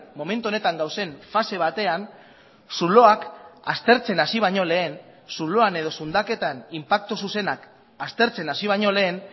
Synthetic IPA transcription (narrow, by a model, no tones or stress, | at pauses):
mo̞me̞nt̪uo̞ne̞t̪aŋɡawse̞ɱfase̞β̞at̪e̞an | sulo̞akast̪e̞ɾt͡se̞nasiβ̞aɲo̞le̞ːn | sulo̞ane̞ð̞o̞sund̪ake̞t̪animpak̚t̪ususe̞nak | ast̪e̞ɾt͡se̞nasiβ̞ajɲo̞le̞ːn